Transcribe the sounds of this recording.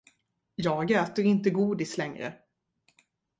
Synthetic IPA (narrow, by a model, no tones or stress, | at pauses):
jɑːɡøːt̪əɾɪnt̪əɡuːd̪ɪslɛŋɾə̰